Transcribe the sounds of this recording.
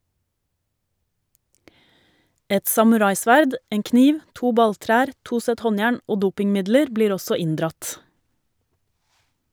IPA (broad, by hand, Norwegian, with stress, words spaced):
ˈɛt sɑmʉˈɾɑɪˌsʋæɾd ˈeːŋ ˈkniːʋ ˈtuː ˈbɑlˌtɾæːɾ ˈtuː ˈsɛt ˈhɔnˌjæːɳ ˈoː ˈduːpɪŋˌmɪdləɾ ˈbliːɾ ˈɔsɔ ˈɪndɾɑt